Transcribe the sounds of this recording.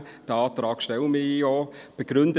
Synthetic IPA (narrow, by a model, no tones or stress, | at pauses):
d̥əɑːtɾɑːkʃtɛləmiijɔb̥əɡ̥ɾʏndə